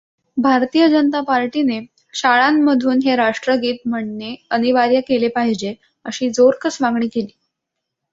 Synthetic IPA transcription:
bʱaɾt̪ijəd͡ʑənət̪apaɾʈine | ɕaɭamːəd̪ʱuːnɦeɾaʂʈɾəɡiːt̪̚m̤əɳːeəniʋaɾjəkelepaɦid͡ʑe | əɕiːd͡zoɾkəsʋãŋɡɳiːkeliː

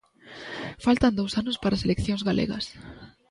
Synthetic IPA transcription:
falt̪ɐnd̪owsanʊspaɾaselekθjõŋzɣalʔḛɣɐ̰s

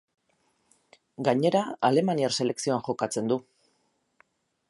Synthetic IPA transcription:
ɡaɲe̞ɾaale̞maniaɾse̞le̞ksio̞anxo̞kat͡se̞nd̪u

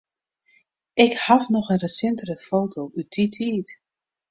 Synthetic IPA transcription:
ɪkhafnɔxənrəsɪntərəfoːtʰowʔyt̚ditʰiːt

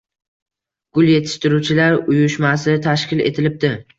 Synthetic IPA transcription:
ɡ̥ʊlˠje̞t̪ʰɪ̥ʃt̪ɪɾut͡ʃʰɪlaɾʊjʊʃmas̬ɪt̪ʰaʃkʲɪle̞̰t̪ʰɪlɪp̚d̪ɪ

